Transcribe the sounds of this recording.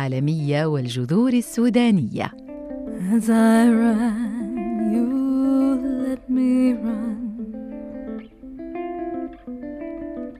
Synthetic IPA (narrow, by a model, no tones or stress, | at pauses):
aːlamɪjːawald͡ʒʊðuːɾasːuːd̪aːnɪjːa̰ | zajɾa | ju | at̪miɾan